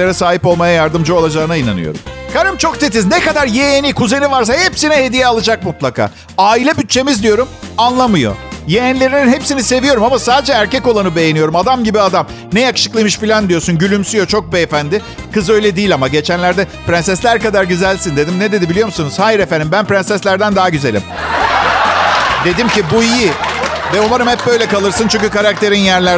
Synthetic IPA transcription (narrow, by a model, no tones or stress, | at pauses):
eɾɛsaːɦipo̞lˠmajajaɾd̪ɯmd͡ʒɯo̞lˠad͡ʒaːɯnaina̰nɯ̰jo̰ɾṵmkʰaɾɯmt͡ʃʰo̞kt̪ʰet̪iznekad̪aɾjejenikʰuze̞nivaɾs̬ahepsinɛhe̞d̪ijɛalˠɯd͡ʒak̚mut̪lˠakʰa̰ː | aːilʲɛbyt̪̚t͡ʃʰe̞mizd̪ijo̞ɾum | anlˠamɯjo̞̰jejænlʲe̞ɾininɦepsinise̞vijo̞ɾumamasaːd̪e̞d͡ʒɛːɾcɛco̞lˠanɯbe̞je̞nijo̞ɾumad̪amɟibiad̪am | nɛjakɯ̥ʃɯklˠɯjmɯʃfilʲand̪ijo̞ɾsunɟylʲymsyjo̞t͡ʃʰo̞k̚bɛefænd̪ɪ | kɯzø̞jlʲɛd̪iːlʲamaɟe̞t͡ʃʰænlʲæɾd̪ɛpɾɛnsɛslʲæɾkad̪aɾɟyzælʲsind̪e̞d̪imnɛd̪e̞d̪ibilijo̞ɾmusunuz̥haːjiɾefænd̪imbænpɾɛnsɛslʲæɾd̪ænd̪aɦaɟyze̞lʲḭm | d̪e̞d̪imcibuijivɛomaɾɯmhɛp̚bø̞jlʲɛkalˠɯɾsɯnt͡ʃʰyɲʲcykaɾak̚t̪ʰe̞ɾinjæɾlʲæɾ